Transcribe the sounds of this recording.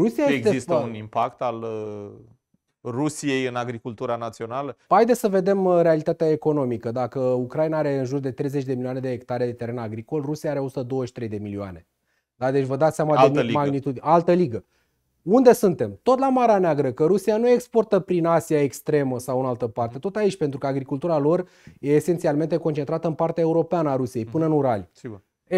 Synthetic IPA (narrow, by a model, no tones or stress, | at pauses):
ɾusiajeeɡeeist̪unimpakt̪al | rusije̞jɨnaɡɾikult̪uɾanat̪sio̞naləpajd̪esəve̞d̪e̞mɾe̞alit̪at̪eae̞ko̞no̞mikəd̪akəukɾainaaɾe̞ɨnʒurd̪e̞t̪ɾe̞jzet͡ʃʲd̪emiliane̞d̪eek̚t̪aɾe̞d̪et̪e̞ɾe̞naɡɾiko̞lrusiaaɾe̞o̞sut̪əd̪o̞wəʃi̥t̪ɾejd̪e̞milioa̰ne̞ | d̪ad̪et͡ʃʲvəd̪at̪sjamad̪emaɡnit̪ud̪ialt̪əliɡə | und̪e̞sunt̪e̞mt̪o̞t̪lamaɾeaneaɡɾəkəɾusianue̞kspo̞rt̪əpɾinasiae̞kst̪ɾe̞məsawɨnalt̪əpart̪e̞t̪ot̪ait͡ʃʲpe̞nt̪ɾukəaɡɾikult̪uɾalo̞r | je̞ːse̞nt̪sialme̞nt̪e̞kont͡ʃe̞nt̪ɾat̪əɨnpart̪eae̞uɾo̞peanəaɾusijejpɨnəɨnuɾalj